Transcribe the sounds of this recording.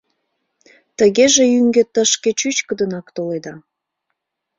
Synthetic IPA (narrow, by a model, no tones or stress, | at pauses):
t̪əɣeʒeyŋɡet̪əʃket͡ɕyt͡ɕkəd̪ənɑkt̪oled̪ɑ